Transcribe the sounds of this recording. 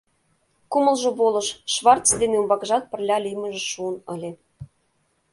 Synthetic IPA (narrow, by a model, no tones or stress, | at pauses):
kumə̆lʒɤ̆bolɤ̆ʃʃβɑrt͡sd̪eneumbɑkʒɑt̪̚pə̆rlʲɑlijmə̆ʒeʃuənə̆lʲe